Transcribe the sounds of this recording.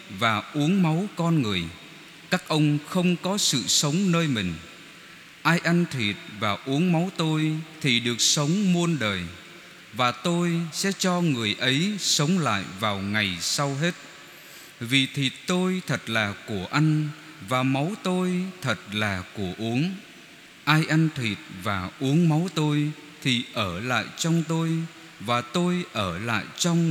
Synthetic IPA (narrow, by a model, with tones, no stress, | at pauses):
vaː˨˩ʔu˨˦ənma˨˦wkɔ˧nŋɨ˨˩əj | kaː˦˥k̚ʔə˧wŋ͡mxə˧wŋ͡mkɔ˨˦sɨ̰˧˨sə˨˦wŋ͡mnəː˧jmï˨˩ŋ̟ | ʔaː˧jʔa˧ŋt̪ʰi˨˩t̚vaː˨˩ʔu˨˦əŋma˨˦wt̪o˧jt̪ʰi˨˩ɗɨ˨˩ək̚sə˨˦wŋ͡mmu˧ənɗəː˨˩j | vaː˨˩t̪o˧jsɛ̰˧˥t͡ɕɔ˧ŋɨ˨˩əjʔə˨˦jsə˨˦wŋ͡mla̰ː˧˨jvaː˨˩wŋa˨˩jsa˧wɦe˦˥t̚ | vi˨˩t̪ʰi˨˩t̚t̪o˧jt̪ʰə˨˩t̚laː˨˩ku˧˩əʔa˧jŋ̟ | vaː˨˩ma˨˦wt̪o˧jt̪ʰə˨˩t̚laː˨˩ku˧˩əʔu˨˦əŋ | ʔaː˧jʔa˧nt̪ʰwi˨˩t̚vaː˨˩ʔu˨˦əŋma˨˦wt̪o˧j | t̪ʰi˨˩ʔəː˧˩la̰ː˧˨jt͡ɕɔ˧wŋ͡mt̪o˧j | vaː˨˩t̪o˧jʔəː˧˩la̰ː˧˨jt͡ɕɔ˧wŋ͡m